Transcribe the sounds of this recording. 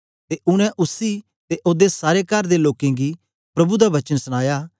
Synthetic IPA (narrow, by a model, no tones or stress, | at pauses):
t̪eʔʊɽ̃ɛ̃ʔʊsi | t̪eʔoːd̪esaːɾekəɾd̪eloːkẽɡi | pɾɐbud̪aʋɐt͡ʃənsəɽ̃aːjaː